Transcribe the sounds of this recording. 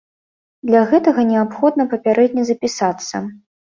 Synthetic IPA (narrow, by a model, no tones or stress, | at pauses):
d̪lʲɐɣɛt̪ɐɣɐnʲɛapxɔd̪nɐpɐpʲaɾʔɛd̪ʲnʲɐzɐpʲisat̪sːɐ̰